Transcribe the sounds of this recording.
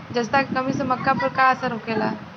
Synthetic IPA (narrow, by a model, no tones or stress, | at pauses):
d͡zəst̪akəmisəməkːapəɾkaəsaɾokela